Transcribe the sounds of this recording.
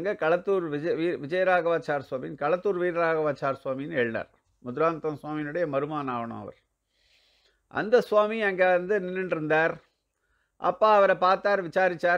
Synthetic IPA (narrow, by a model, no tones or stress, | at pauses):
ɐŋɡeːkɐɭɐt̪ːuːɾɪʋiːʋɪd͡ʒɐjɐɾaːɣɐʋaːt͡ʃːaːɾswaːmɪjɪnkɐɭɐt̪ːuːɾʋiːɾɾaːɣɐʋaːt͡ʃːaːɾswaːmɪjɪnɛɻna̰ːɾ | mʊðɪɾaːnt̪ɐmswaːmɪjnɯɽɐjɐmɐɾɯmaːnaːʋɐɳɐ̰̃mɐ̰ʋɐ̰ɾ | ʔɐ̰nd̪ɐsʊʋaːmiɐŋɡeːʋɐnd̪ɯnɪnːɐnɪɾɯnd̪aːɾ | ʔɐ̰pːaːɐʋɐɾɐpaːɾt̪aːɾʋɪt͡ʃaːɾɪt͡ʃːaː